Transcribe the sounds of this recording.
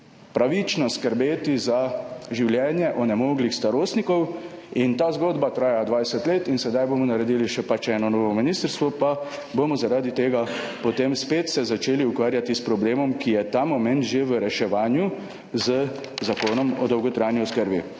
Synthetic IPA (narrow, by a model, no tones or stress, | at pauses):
pɾaʋit͡ʃnɔskəɾbeːt̪izaʒiwljɛːnjɛʔɔnɛmoːɡlixst̪aɾoːst̪nikɔw | int̪aːzɡoːd̪bat̪ɾaːjad̪ʋajsɛt̪leːt̪insɛd̪ajbomɔnaɾɛd̪iːliʃɛpat͡ʃɛːnɔnɔːʋɔminiːst̪əɾst̪ʋɔpa | bomɔzaɾaːd̪it̪eːɡa | pɔt̪eːmspeːt̪sɛzat͡ʃeːliukʋaːɾjat̪ispɾɔbleːmɔmkijɛt̪amɔmɛnt̪ʒeʋəɾɛʃɛʋaːnju | zə | zakoːnɔmɔ̰d̪ɔwɡɔt̪ɾaːjnjɔskəɾbḭ